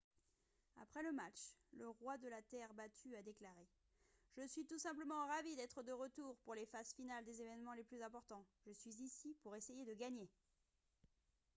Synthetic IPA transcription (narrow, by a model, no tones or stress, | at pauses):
a̰pχɛləmat͡ʃləʁwad̪əlat̪ɛʁbat̪ʰyad̪eklaʁe | ʒ̥əsɥit̪usɛ̃pləmɑ̃ʁavid̪ɛt̪χəd̪əʁət̪uʁpuʁlefazfinald̪ezevɛnmɑ̃leplyzɛ̃pɔʁt̪ɑ̃ʒəsɥizisipuʁesejed̪əɡaɲe